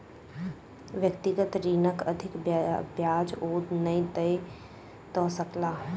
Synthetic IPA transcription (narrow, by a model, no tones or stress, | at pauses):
ʋjəkt̪ɪɡət̪ɾiːnəkəd̪ʱɪkbjaːd͡ʒoːd̪nəĩt̪əj | t̪ɔːsəklaː